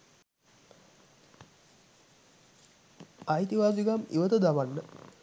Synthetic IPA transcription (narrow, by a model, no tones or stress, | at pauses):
ajt̪iʋaːsiɡamḭʋət̪əd̪aʋanːə